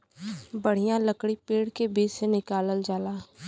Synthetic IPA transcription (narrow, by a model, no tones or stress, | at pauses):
bəɽ̤ijãləkɽipeːɽkebiːd͡ʒsenɪkaːləld͡ʒaːlaː